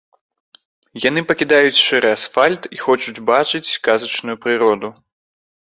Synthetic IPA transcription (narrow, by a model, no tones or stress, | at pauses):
janɨpɐkʲid̪ajut͡sʲʂɛɾʔɨasfalʲt̪ixɔt͡ʂud͡zʲbat͡ʂɨt͡sʲkazɐt͡ʂnujupɾɨɾɔd̪u